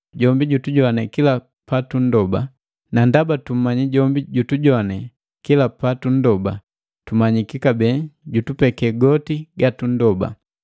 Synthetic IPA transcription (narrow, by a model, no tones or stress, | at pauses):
ɟɔmbiɟutuɟɔanɛkila | patun̩dɔba | nandabatum̩maɲiɟɔmbiɟutuɟɔanɛ | kilapatun̩dɔba | tumaɲikikabɛɟutupɛkɛɡɔtiɡatun̩dɔba̰